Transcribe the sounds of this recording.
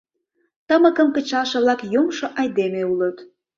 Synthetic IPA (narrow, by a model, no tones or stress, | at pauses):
t̪əməkəmkə̆t͡ɕɑlʃə̆βlɑkjomʃoʔɑjd̪emeulət̪